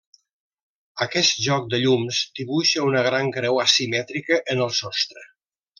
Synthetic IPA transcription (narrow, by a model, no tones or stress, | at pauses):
əkɛst̪̚ʒɔk̚d̪əʎumsd̪iβuʃəunəɣ̞ɾaŋkɾɛwəsimɛt̪ɾikəʔənəlˠsɔst̪ɾə